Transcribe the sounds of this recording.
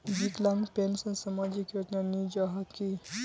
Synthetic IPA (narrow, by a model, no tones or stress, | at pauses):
d͡ʒiklãŋpensənsamad͡ʒikjod͡ʒnanid͡ʒaɦəki